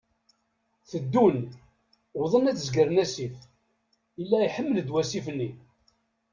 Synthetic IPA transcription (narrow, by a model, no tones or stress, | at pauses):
θəd̪ːun | wðˤənæt͡sːzɡəɾnæsif | əlːæjħəmːəld̪wæsifənːi